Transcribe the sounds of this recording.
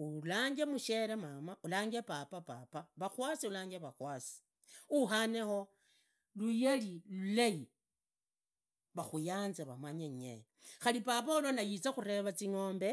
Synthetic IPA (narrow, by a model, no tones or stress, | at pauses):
ulaːŋɡemuʃelemamaʔulaːŋɡepapapapaβaxwasiulaːŋɡeβaxwaːsi̥ | uɦanexo̞ | lujelilulai | βaxujaːnzeβamaɲeɲḛ | xalipapaulanajit͡saxuɾe̞βat͡siŋo̞ːmbe̞